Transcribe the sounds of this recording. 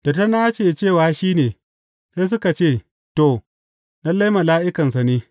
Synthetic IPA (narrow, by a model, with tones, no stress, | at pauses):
d̥ɐ˨ta˦na˦t͡ʃeː˨t͡ʃeː˦˨waː˦ʃiː˦neː˨ | sa˦s̬ʊ˦ka˨t͡ʃeː˦˨ | to˨ | nɐ˦lːa˦jmɐ˨laː˦ʔɪ˦kɐ˨ns̬a˨niː˦